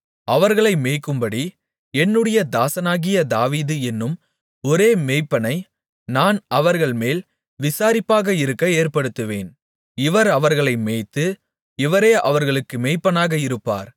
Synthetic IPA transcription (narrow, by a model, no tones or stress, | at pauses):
ɐʋɐɾɣɐɭɐɪmeːkːɯmbɐɽi | ɛnːɯɽɐjɐd̪aːsɐnaːɣɪjɐd̪aːʋiːðɯɛnːɯm | ɔɾeːmeːɪpːɐnɐɪ | naːnɐʋɐɾɣɐɭmeːl | ʋɪsaːɾɪpːaːɣɐɪɾɯkːɐeːɾpɐɽɯt̪ːɯʋḛːn | ɪʋɐɾɐʋɐɾɣɐɭɐɪmeːt̪ːɯ | ɪʋɐɾeːʔɐʋɐɾɣɐɭɯkːɯmeːɪpːɐnaːɣɐɪɾɯpːa̰ːɾ